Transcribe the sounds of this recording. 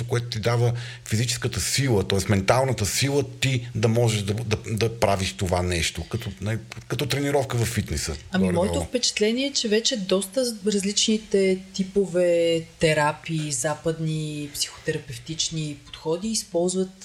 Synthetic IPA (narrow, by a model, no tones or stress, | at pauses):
okoɛt̪ʊt̪id̪avə | fizit͡ʃɛ̥skət̪əsilˠət̪ɔɛsmɛnt̪alˠnət̪əsilˠət̪id̪ɐmɔʒɛʒd̪ɐd̪ɐd̪ɐpɾaviʃt̪ovanɛʃt̪okɐt̪ɔnakɐt̪ɔt̪ɾɛniɾɔfkəvɐfːit̪nɛsə̰ɐmimɔɛofpɛt͡ʃɛ̥t̪lɛniɛt͡ʃɛvɛt͡ʃɛd̪ɔst̪əɾɐzlit͡ʃnit̪ɛt̪ipovɛt̪ɛɾapiːzapəd̪nipsi̥xo̥t̪ɛɾɐpɛft̪it͡ʃnipo̥t̪xɔd̪iːspɔlˠzvət̪